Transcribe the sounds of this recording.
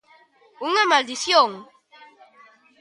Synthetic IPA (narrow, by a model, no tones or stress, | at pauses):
uŋamald̪isjoŋ